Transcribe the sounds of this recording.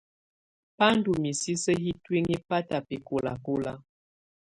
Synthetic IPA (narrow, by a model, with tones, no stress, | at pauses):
pa˦n˦du˨mi˨si˦sə˦hi˦twi˦ŋi˦pa˦ta˨pe˨ko˨la̰˨ko˦la˦